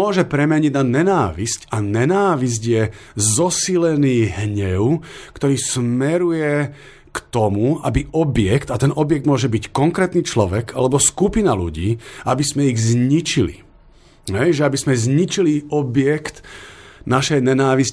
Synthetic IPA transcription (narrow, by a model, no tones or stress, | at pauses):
ɔʒɛpɾɛmɛɲiɟnaɲɛnaːʋiscaɲɛnaːʋiz̬ɟjɛ | zɔsilɛniːɦɲɛʊkt̪ɔɾiːsmɛɾujɛ | kt̪ɔmuabiʔɔbjɛkt̪at̪ɛnɔbjɛɡ̚d̪mʊɔʒɛbickɔŋkɾɛːt̪niːt͡ʃlɔʋɛkalɛbɔskupinalṵɟiːabizmɛiɣzɲit͡ʃilḭ | ɦɛjʒɛabizmɛzɲit͡ʃiliʔɔbɪɛkt̪naʃɛjɲɛnaːʋis